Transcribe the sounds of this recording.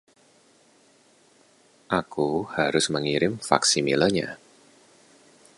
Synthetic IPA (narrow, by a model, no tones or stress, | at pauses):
ʔakuhaɾʊsməŋiɾɪmfa̰ksimiləɲa̰